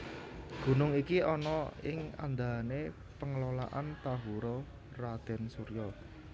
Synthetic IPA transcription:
ɡ̥ṳnʊŋikiɔnɔɪŋa̰nd̪ane | pəŋəlola̰ʔant̪aɦuɾɔ | rad̪̥ɛ̤nsuɾjɔ

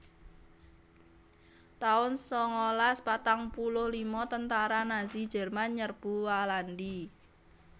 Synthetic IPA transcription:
t̪aʊnsɔŋɔlaspat̪aŋpulʊhlimɔt̪ənt̪aɾanazi̥d͡ʒɛ̤rmanɲərb̥ṳwalandi

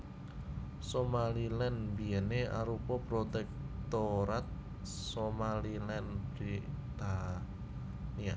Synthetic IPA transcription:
somalilɛnbiɛneʔa̰ɾupɔpɾot̪ɛk̚t̪oɾat̪̚ | somalilɛnbɾi | t̪a | nia

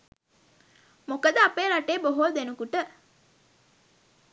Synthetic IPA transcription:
mokəd̪əapeːɾaʈeːboɦold̪enukuʈə

